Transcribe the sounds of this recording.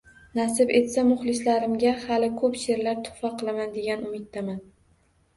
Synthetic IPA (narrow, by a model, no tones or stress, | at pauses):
nasɪbe̞t̪samʊχlˠɪslaɾɪmɡʲahalɪkʰɵpʃe̞ɾlaɾt̪ʰʊ̥faqʰɨlˠamand̪e̞ɡʲanʊmɪt̪̚ːaman